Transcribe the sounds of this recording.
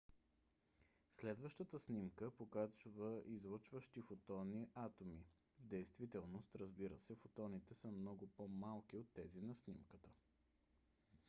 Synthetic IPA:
slɛd̪vəʃt̪ət̪əsnimkəpokat͡ʃvəʔizvˠət͡ʃvəʃt̪ifot̪ɔniʔat̪omi | vd̪ɛjst̪vit̪ɛlˠnost̪ɾəzbiɾəsɛfot̪ɔnit̪ɛsəmnɔɡʊpomalˠk̟iot̪ːɛzinɐsnimkət̪ə

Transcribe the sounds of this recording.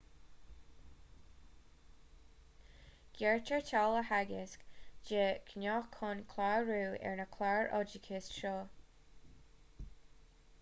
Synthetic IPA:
ɡ̥ɛɹtʰəɹtʰaləhaɡɪskd͡ʒekʰənɔːxkʰʊnkʰlaɹuːɛ̰ɹnəkʰlaɹʔɔ̰d͡ʒəkʰɪsʃɔː

